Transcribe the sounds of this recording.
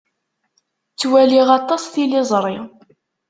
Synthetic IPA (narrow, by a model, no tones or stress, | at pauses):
t͡sːwæliʁɑt̪ˤɑsθilɪzˤɾˤi